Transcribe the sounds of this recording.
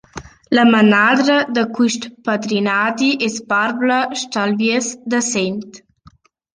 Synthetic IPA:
ləmənad̪ɾəd̪əkwiʃt̪pad̪ɾinad̪iʔespaɾbləʃt̪alviesd̪əsent̪

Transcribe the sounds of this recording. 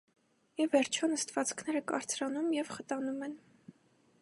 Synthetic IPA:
ivɛɾt͡ʃʰɔnəst̪vɑt͡skʰn̪ɛɾəkɑ̰ɾt͡sʰɾɑnumjɛvχət̪ɑnumɛn

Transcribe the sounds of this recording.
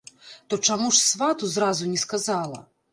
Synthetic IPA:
t̪ɔt͡ʂamuʂsvat̪uzɾazunʲɛskazalˠɐ̰

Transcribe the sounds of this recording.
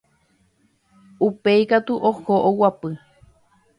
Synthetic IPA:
upeikat̪uʔohoʔowapɨ

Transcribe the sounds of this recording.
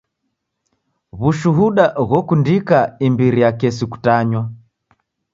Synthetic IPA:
βuʃuɦuɗaɣɔkundikaimbiɾijakɛsiku̥taɲwa

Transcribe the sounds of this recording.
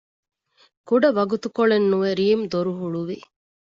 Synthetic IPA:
kuɖɐʋɐɡut̪ukoɭenːuʋeɾiːmd̪oɾuɦuɭuʋi

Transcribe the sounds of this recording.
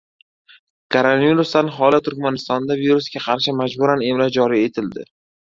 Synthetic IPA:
kʰoɾonaviɾust̪anɦɒlat̪ʰʊɾkʲmanɪst̪ɒnd̪aviɾusɡʲaqʰɑɾʃɪmad͡ʒbʊɾane̞mlad͡ʒɒɾije̞t̪ʰɪld̪ɪ̰

